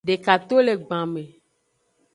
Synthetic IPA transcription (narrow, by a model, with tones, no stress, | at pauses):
ɖe˨ka˨t̪o˦le˨ɡ͡bã˨mẽ˨